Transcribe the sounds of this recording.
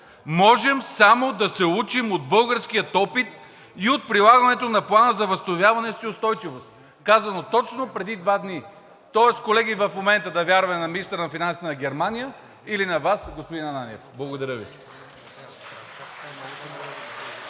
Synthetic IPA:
mɔʒɛmsamod̪ɐsɛut͡ʃimod̪̚bɤlˠɡəɾskijət̪ɔpit̪̚ | iot̪̚pɾilˠaɡɐnɛt̪onɐplˠanəzɐvəsnovʲjavɐnɛsiʊst̪ɔjt͡ʃivost̪ | kazɐnot̪ɔt͡ʃnopɾɛd̪id̪vad̪ni | t̪ɔɛskolɛɡivɐfmomɛnt̪əd̪ɐvʲjaɾvɐmɛnɐminist̪ɾənɐfinansənɐɡʲɛɾmanijə | ilinɐvasɡospod̪inɐnanʲɛfblˠɐɡod̪ɐɾəvi

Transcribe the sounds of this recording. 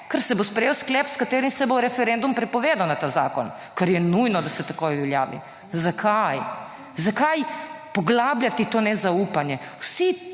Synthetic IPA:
kəɾsɛbospɾɛjewsklɛːpskat̪eːɾimsɛboɾɛfɛɾɛnd̪umpɾɛpɔʋeːd̪awnat̪aːza̰ːkɔn | kaɾjɛnujnɔd̪asɛt̪akojʋɛlja̰ːʋḭ | zakʰaj | zakajpɔɡlaːbljat̪it̪oːnɛzaupanjɛwsi

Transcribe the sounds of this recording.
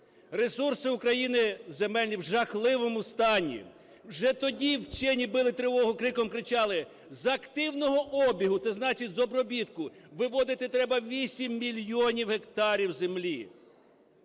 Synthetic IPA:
re̞sursɪukɾɐjinɪzemɛlʲnʲiwʒɐxlˠɪʋɔmʊst̪ɑnʲḭ | wʒɛt̪ɔdʲiwt͡ʃɛnʲibɪlˠɪt̪ɾɪʋɔɦʊkɾɪkɔmkɾɪt͡ʃɑlˠɪ | zɐkt̪ɪwnɔɦɔʔɔbʲiɦʊt̪sɛznɑt͡ʃɪtʲzɔbɾɔbʲit̪kʊʋɪʋɔd̪ɪt̪ɪt̪ɾɛbɐʋʲisʲimːʲilʲjɔnʲiwɦekt̪ɑɾʲiwzemlʲi

